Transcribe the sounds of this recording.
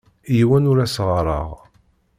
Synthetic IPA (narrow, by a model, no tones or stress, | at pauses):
jiwænʊɾæsʁəɾˤə̰ʁ